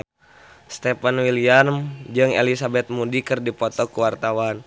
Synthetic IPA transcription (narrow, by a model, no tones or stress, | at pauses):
st̪ɛpanwilianmd͡ʒɨŋḛlisabɛt̪̚mudikɨrdipɔt̪ɔkuwart̪awan